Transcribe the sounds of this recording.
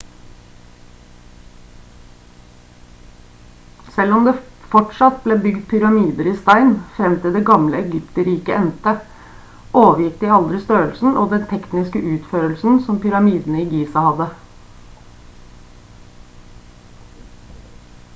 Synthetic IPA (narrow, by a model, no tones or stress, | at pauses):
sɛlɔmd̪eːfɔʈʂɑt̪̚bleːbʏɡd̪̚pʰʏɾɑmiːd̪əɾiːst̪æɪnfɾɛmt̪ɪld̪eːɡɑmləɛɡʏpt̪əɾiːkəʔɛnt̪ə | ʔoːʋəɾjɪkd̪iːɑld̪ɾɪst̪øːəlsn̩ʔoːd̪ɛnt̪ʰɛknɪskəʔʉːt̪føːɾəlsn̩sɔmpʏɾɑmiːd̪n̩əiːɡiːsɑhɑd̪ə